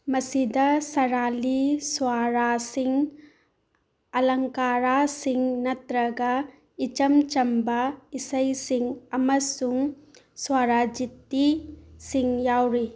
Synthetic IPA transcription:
mɐsidɐsɐɾaliswaɾasiŋ | ɐlɐŋkaɾasiŋnɐt̪ɾɐɡɐ | it͡ʃɐmt͡ʃɐmbɐisɐjsiŋɐmɐsuŋ | swaɾad͡ʒit̪ːisiŋjawɾi

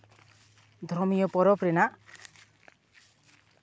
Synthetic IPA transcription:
d̪ʱɾɔmijɔpɔɾɔpɾɛnaʔ

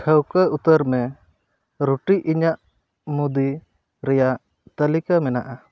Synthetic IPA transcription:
kʰəwkaut̪əɾmɛ | ɾuʈiʔiɲaʔ | mud̪i | ɾɛjaʔ | t̪əlikamɛnaʔa

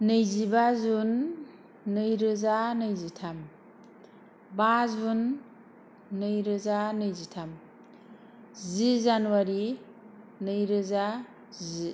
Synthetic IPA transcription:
nɯjzibazunː | ɯjɾɯzanɯjzitʰam | bazun | ɯjɾɯzanɯjzitʰam | zizanuwaɾi | nɯjɾɯza | zi

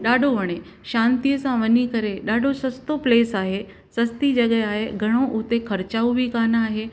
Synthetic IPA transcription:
ɗaːɖʱoʋɐɽ̃e | ʃãːnt̪ijəsãʋənikəɾeɗaːɖʱosɐst̪opleːsaːɦe | sɐst̪id͡ʒɐɡɛaːɦeɡʱɐɽ̃õʔut̪ekʰɐɾt͡ɕaːuʋʱikaːnaːɦe

